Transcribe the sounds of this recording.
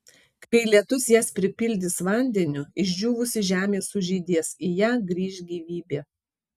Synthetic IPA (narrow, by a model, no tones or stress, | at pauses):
kɐɪlʲiɛt̪ʊsjɛːspʲɾʲɪpʲɪlʲd̪ʲɪsʋɑˑnʲd̪ʲɛnʲʊɪʒʲd͡ʒʲuːʋʊsʲɪʒʲæːmʲeːsʊʒʲiːd̪ʲiɛsijæːɡɾʲiːʃʲɡʲiːʋʲiːbʲeː